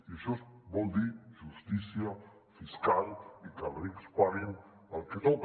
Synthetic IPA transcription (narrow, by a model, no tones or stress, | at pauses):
iʃosbɔld̪iɾʒust̪isja | fiskalikalɾikspaɾin | alkenop